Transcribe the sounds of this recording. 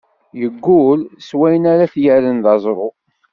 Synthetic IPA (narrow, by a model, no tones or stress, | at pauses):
jəɡːʊlswæjənaɾaθjəɾənðɑzˤɾˤo